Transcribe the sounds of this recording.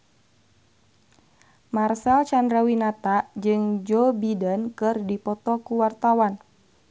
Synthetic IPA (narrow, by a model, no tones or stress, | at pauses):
marsɛlt͡ʃandɾawinat̪aʔd͡ʒɨŋd͡ʒɔbidənkɨrdipɔt̪ɔkuwart̪awan